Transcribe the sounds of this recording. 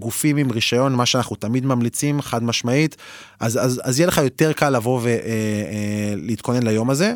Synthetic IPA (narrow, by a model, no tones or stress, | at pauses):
ɡufimimʁiʃajo̞nmaʃeanaχnut̪amid̪mamlit͡simχad̪maʃmait̪ | ʔazazazjeleχajo̞t̪e̞ʁkalːavo̞veʔ | leit̪̚ko̞ne̞nlajo̞maze̞